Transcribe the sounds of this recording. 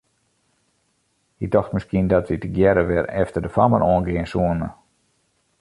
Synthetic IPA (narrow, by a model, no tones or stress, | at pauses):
hidɔxtmɪskiəndɔtitəɡjɛɾəʋɪrɛftərdəfamə̰rɔənɡɪənsuənə̰